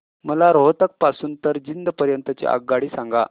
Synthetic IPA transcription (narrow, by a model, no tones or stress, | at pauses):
məlaɾoɦt̪ək̚pasuːnt̪əɾd͡ʑind̪pəɾjənt̪ət͡ɕḛʔa̰ɡ̚ɡaɽiːsãŋɡa